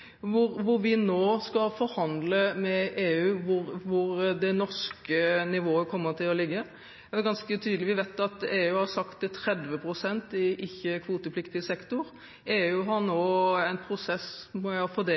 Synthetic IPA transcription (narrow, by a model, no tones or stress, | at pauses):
ʋʊɾʋʊɾʋɪnoːskɑlfɔɾhɑnd̪ləmɛʔeːʉːʋʊɾʋʊɾd̪ɛnɔʂkənɪʋoːəkʰɔmːət̪ʰɪlɔlɪɡːə | ɛɛɾɡɑnskət̪ʰyːd̪əlɪʋɪʋeɪt̪ɑt̪eːʉːhɑsɑkt̪t̪ʰɾɛd̪ʋəpʰɾʊsɛnt̪ɪʔɪçːəkʰʋuːt̪əflɪkt̪ɪəsɛkt̪ʊɾ | eːʉːɦɑɾnoːæɪnpʰɾʊsɛsmɔæfɔd̪eː